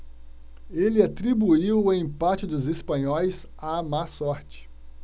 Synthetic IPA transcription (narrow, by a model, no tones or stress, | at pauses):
elɪat̪ɾibuiwʊẽpat͡ʃɪd̪ʊzespɐ̃ɲɔjs | amasɔɾt͡ʃɪ̥